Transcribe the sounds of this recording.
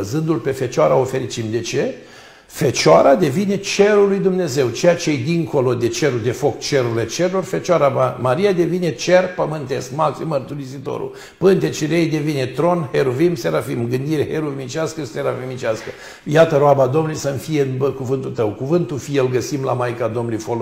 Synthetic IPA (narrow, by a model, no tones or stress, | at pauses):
zɨnd̪ulpe̞fe̞t͡ʃaɾaofe̞ɾit͡ʃimd̪e̞t͡ʃe̞ | fe̞t͡ʃaɾad̪e̞vine̞t͡ʃe̞ɾulːujd̪umne̞ze̞wt͡ʃejat͡ʃejejd̪iŋko̞lo̞d̪e̞t͡ʃe̞ɾud̪e̞fo̞kt͡ʃe̞ɾuile̞t͡ʃeɾelorfe̞t͡ʃaɾamamaɾijad̪e̞vine̞t͡ʃe̞rpəmɨnt̪e̞skmaksimərt̪uɾisit̪o̰ɾṵ | pɨnt̪et͡ʃiɾejd̪e̞vine̞t̪ɾo̞nheɾuvimseɾafimɡɨnd̪iɾeheɾuvimit͡ʃaskəseɾafimit͡ʃeaskə | jat̪əɾoabad̪o̞mnujsəmfijeɨnbəkuvɨnt̪ult̪əwkuvɨnt̪ufijelɡəsimla̰majkad̪o̞mnlujfol